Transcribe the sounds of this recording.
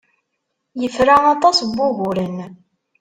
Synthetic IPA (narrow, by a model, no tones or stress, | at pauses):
jəfɾaɑt̪ˤɑsbːʊɣʊɾən